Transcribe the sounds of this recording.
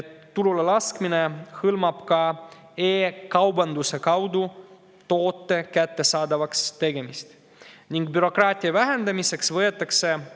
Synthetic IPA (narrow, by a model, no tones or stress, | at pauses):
t̪ːululelɑskmine̞hɯlmɑb̥kɑ | eːkɑwbɑnd̪use̞kɑwd̪u | t̪o̞ːt̪ːe̞kæt̪ːe̞sɑːd̪ɑvɑkst̪e̞ɡe̞mist̪ | niŋɡ̥̚byɾo̞kˑrɑːt̪ʲˑiɑvæɦe̞nd̪̥ɑmise̞ksvɤe̞t̪ːˑɑkse̞